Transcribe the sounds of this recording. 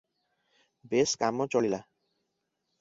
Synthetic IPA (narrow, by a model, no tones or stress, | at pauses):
beskamot͡ɕoɭila